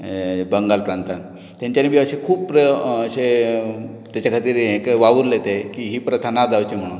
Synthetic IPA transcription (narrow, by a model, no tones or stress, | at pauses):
bəŋɡalpɾant̪an | t̪jaɲt͡ɕjanebʱjiəɕekʰuːppɾəəɕe | t̪jat͡ɕjakʰat̪iːɾekʋaʋəɾlet̪ekiɦiːpɾət̪ʰanad͡zawt͡ɕim̤əɽ̃un